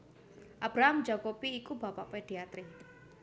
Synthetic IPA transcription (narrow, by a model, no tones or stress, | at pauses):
ʔab̥ɾaɦamd͡ʒa̤kopiːkubapaʔweɖ̪̥eat̪ɾi